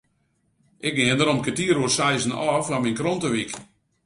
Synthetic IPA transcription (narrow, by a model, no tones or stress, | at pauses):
ʔɪk̚ɡɪəndəɾɔmkətiəɾuəsɛjzən̩ɔːfʋaminkrontəʋik